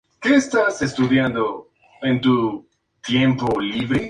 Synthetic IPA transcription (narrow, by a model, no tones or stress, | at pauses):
keestasestud̪iando̞ | e̞ntu | t̪je̞mpo̞libɾe